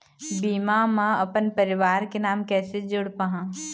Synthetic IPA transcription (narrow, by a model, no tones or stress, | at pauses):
biːmamãɐpənpəɾɪʋaːɾkenaːmkɛːsed͡ʒʊɽpaɦãː